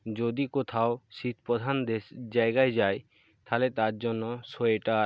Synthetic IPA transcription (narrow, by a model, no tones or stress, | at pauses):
d͡ʒod̪ikot̪ʰaoʃit̪̚ʰpɔd̪ʱand̪ed͡ʒajɡajd͡ʒaj | t̪ʰalet̪aɾd͡ʒɔnːɔsoeʈa